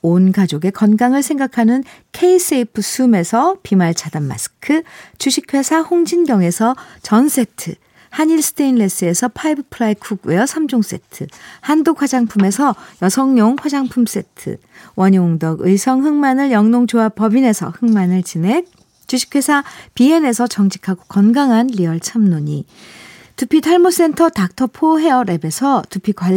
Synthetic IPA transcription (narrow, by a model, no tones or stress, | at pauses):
onɡad͡ʑoɡe̞kʌnɡaŋɯɭsʰe̞ŋɡakʰanɯn | kʰe̞is͈eipʰɯsʰume̞sʰʌpimaɭt͡ɕʰadanma̰sʰɯ̥kʰɯt͡ɕuɕʰikʰwe̞sʰahoŋd͡ʑinɡjʌŋe̞sʰʌt͡ɕʌns͈e̞tʰɯ̰ | haɲiɭsʰɯ̥tʰeinle̞s͈ɯe̞sʰʌpʰaibɯpʰɯɾaikʰuɡ̚we̞ʌsʰamd͡ʑoŋs͈e̞̰tʰɯhandokʰwad͡ʑaŋpʰume̞sʰʌjʌsʰʌŋɲoŋɸwad͡ʑaŋpʰums͈e̞tʰɯ̰ | wʌɲioŋdʌɡɯisʰʌŋɦɯŋmanɯɭjʌŋnoŋd͡ʑoapʌbine̞sʰʌ̰hɯŋmanɯɭt͡ɕine̞ | t͡ɕuɕʰi̥kʰe̞sʰapie̞ne̞sʰʌt͡ɕʌŋd͡ʑi̥kʰaɡokʌnɡaŋɦanʎiʌɭt͡ɕʰamnoɲi | tupʰitʰaɭmos͈e̞ntʰʌtak̚tʰʌpʰoɦe̞ʌɾe̞be̞sʰʌtupʰikwa